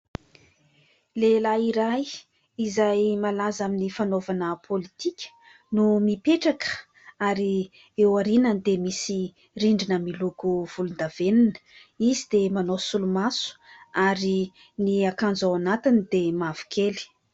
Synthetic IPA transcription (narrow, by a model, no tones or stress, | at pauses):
lelaiɾaj | izajmalazaminifanovanəpʰolit̪ikʲə̥ | numipeʈ͡ʂakə̥ | aɾi | ewaɾinənd̪emisi | riɳɖ͡ʐinəmilukuv̥ulund̪aveninə̥ | izid̪emanosulumasu̥aɾi | niakand͡zawanat̪inid̪̥emav̥u̥kʰeli̥